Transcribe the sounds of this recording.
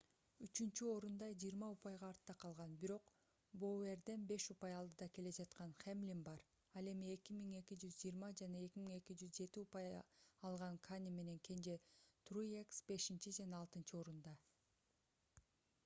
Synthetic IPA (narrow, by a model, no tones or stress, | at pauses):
yt͡ʃynt͡ʃyo̞ɾund̪ɑd͡ʒijːɾmɑupɑjʁɑːɾt̪ːɑqʰɑlˠʁɑnbiɾo̞q | boe̞ɾd̪e̞nbe̞ʃupɑjɑlˠd̪ɯd̪ɑke̞le̞d͡ʒɑt̪qɑnχemlʲinbɑɾ | ɑlˠe̞mie̞kʲimiŋe̞kid͡ʒyzd͡ʒiːɾmɑd͡ʒɑnɑe̞kʲimiŋe̞kid͡ʒyzd͡ʒe̞t̪iupɑjɑlˠʁɑŋkʰanʲime̞ne̞ŋkʲʰe̞nd͡ʒe̞t̪rujeksbe̞ʃint͡ʃid͡ʒɑnɑːlˠt̪ɯnt͡ʃɯo̞ɾund̪ɑ